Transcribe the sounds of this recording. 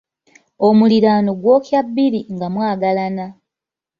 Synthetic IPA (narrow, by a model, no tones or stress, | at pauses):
omuliɾaːnoɡwo̞ːkjabːiɾiŋɡamwaːɡalana